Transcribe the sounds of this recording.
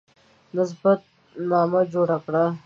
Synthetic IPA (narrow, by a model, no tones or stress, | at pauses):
nɪs̬bat̪̚ | nɑmad͡ʒoɽakɽa